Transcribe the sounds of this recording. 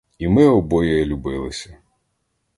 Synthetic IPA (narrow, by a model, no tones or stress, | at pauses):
imɪɔbɔjɛjɛlʲubɪlˠɪsʲɐ